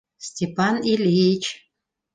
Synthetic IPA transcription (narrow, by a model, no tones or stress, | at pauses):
sʲtʲepanilʲijt͡ʃʰ